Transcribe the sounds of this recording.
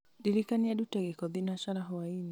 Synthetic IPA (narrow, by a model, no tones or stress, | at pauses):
diɾikaniadutaɡɛkɔðinaʃaɾaɦɔwaini